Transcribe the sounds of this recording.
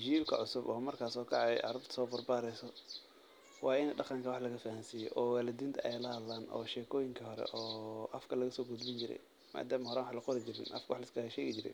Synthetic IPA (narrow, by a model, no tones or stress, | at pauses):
d͡ʒiːlkʰɐ̰ʕʊsʊbɔːmɐrkʰaːsɔːkʰɑʕɑjʔɑ̰ɾɐbt̪sɔːbɐrbaːɾɛjsɔ | wɑːɪnɛɖɑqɐŋkʰɐwɑħlɐɣɐfɐhansijɛʔɔːwaːlɐd̪iːnt̪ʰɐʔɛjlɐhɐlːaːnɔ̰ːʃɛːkʰɔːjɪŋkʰɐɦɔɾɛ̰ʔɔːʔɐfkʰɐlɐɣɐsɔːɡʊd̪bɪnt͡ʃɪɾɛ̰j | ma̰ːd̪aːmɐhɔɾaːnwɑħlɐqɔɾɪd͡ʒɪɾɪ̰nʔɐ̰fkʰɐwɑħlɐɪskʰɐʃɛːɣɪd͡ʒɪɾɛ̰j